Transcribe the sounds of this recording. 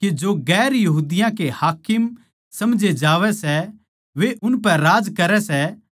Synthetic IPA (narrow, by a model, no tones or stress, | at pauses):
ked͡ʒoɡɛːɾjɐɦuːd̪ɪjãkehaːkɪm | sɐmd͡ʒed͡ʒaːʋɛsɛ | ʋeʔʊnpɛ̃ɾaːd͡ʒkɐɾɛsɛ